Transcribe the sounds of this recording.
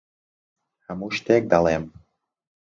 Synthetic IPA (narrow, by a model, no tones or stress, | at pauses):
amuʃt̪ek̚d̪ɑlem